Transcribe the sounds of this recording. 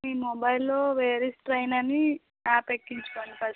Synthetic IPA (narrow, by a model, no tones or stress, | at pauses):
miːmɔbɐjlːoːʋeːɾisʈɾɐjnɐni | aːpekːiɲt͡ʃu̥koːnipɐ